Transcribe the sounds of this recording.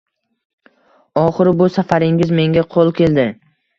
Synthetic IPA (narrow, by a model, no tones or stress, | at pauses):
ɒχɨɾɪbʊsafaɾɪŋʲɪzme̞ŋɡʲaqʰolˠkʲe̞ld̪ɪ